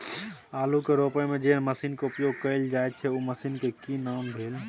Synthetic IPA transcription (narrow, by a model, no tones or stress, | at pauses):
aːlukeɾopəjmẽd͡ʒeməsiːnkeupjoɡ̚kəld͡ʒajt̪̚t͡ʃʰɛuməsinkekinanbʱeːl